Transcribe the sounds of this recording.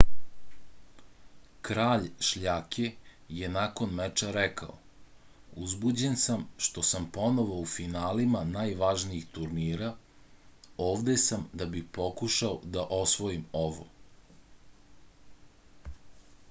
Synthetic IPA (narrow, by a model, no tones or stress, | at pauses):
kɾaːʎʃʎaːkʰe | je̞naːko̞nmet͡ʃaɾɛka̰o | uzbud͡ʑe̞nsamʃt̪o̞sampo̞no̞ʋo̞ufinaːlimanajʋaʒniixt̪uɾniːɾa | o̞ːʋd̪esamd̪abixpo̞kuʃaod̪aʔo̞sʋo̞imo̞ʋo̞̰